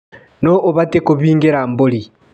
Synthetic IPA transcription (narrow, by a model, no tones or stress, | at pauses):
noʔoβatekoβiːŋɡeɾamboli